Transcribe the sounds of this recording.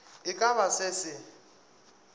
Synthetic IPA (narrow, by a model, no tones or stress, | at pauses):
ɪkʼaβasɪsɪ